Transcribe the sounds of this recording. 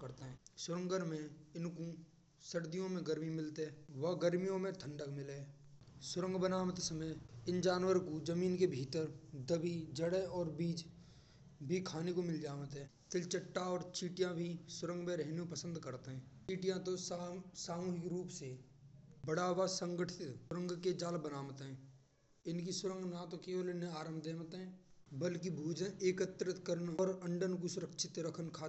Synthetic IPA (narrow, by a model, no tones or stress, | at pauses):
kəɾt̪eɦɛ̃ːsʊɾə̃ŋɡəɾmẽɪnko | səɽd̪ijõmẽɡəɾmimɪlt̪eɛːʋɐɡəɾmijõmẽt̪ʰə̃ɳɖəkmɪleɛːsʊɾə̃ŋɡbənaːmət̪səməjɪnd͡ʒaːnwəɾkod͡ʒəmiːnkebʱiːt̪əɾd̪əbʱid͡ʒəɽəɔːɾbiːd͡ʒ | bʱikʰaːnekomɪld͡ʒaːʋət̪ɦɛːt̪ɪlt͡ʃəʈːaɔːɾt͡ʃiːʈijãbʱisʊɾə̃ŋɡbeɾɛɦnõpəsə̃nd̪kəɾt̪ɦɛ̃ːt͡ʃiːʈijãt̪osaːmuːɦɪkɾuːpse | bəɽaʋasə̃ŋɡəʈʰɪɪt̪ʊɾə̃ŋɡked͡ʒaːlbənaːʋət̪ɦɛ̃ː | ɪnkisʊɾə̃ŋɡnat̪okeʋəlɪneaːɾəmd̪eːmət̪ɦɛ̃ːbəlkibʱuːd͡ʒəneːkət̪ɾət̪kəɾənɔːɾə̃ɳɖənkusʊɾəkʃʰɪt̪ɾəkʰənkʰaː